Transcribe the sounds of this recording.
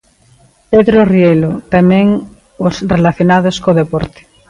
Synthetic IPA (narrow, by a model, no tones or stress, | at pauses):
peðɾorjelot̪amẽŋ | osrelaθjonaðoskoðepoɾt̪e̥